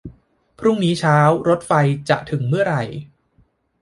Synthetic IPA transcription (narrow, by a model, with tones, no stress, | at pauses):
pʰɾu˥˩ŋniː˦˥t͡ɕʰaː˦˥wɾo˦˥t̪̚fa˧jt͡ɕa˨˩ʔt̪ʰɯ˩˦ŋmɯ˥˩ɐɾa˧j